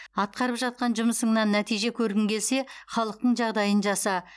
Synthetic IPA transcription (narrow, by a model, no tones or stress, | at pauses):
ɑt̪̚qɑɾəpʒɑt̪̚qɑnʒʊməsəɴnɑnːæt̪ijʒe̞kʲʰɵɾɡʲɪŋkʲʰe̞lse̞χɑlˠəq̚t̪əɴʒɑʁd̪ɑjənʒɑsɑ